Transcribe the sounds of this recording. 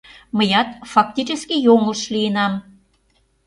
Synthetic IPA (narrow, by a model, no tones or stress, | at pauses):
məjɑt̪fɑk̚t̪ʲit͡ɕeskʲijoŋəlʃlijənɑm